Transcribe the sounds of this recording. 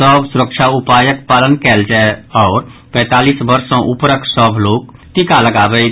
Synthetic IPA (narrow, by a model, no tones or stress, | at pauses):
əbʱsʊɾəkʃaʊpaːjəkpaːlənkɛːld͡ʒaeɔːɾpɛ̃ːt̪aːliːsbəɾsõʔʊpɾəksəbʱloːɡt̪ikaləɡaːbei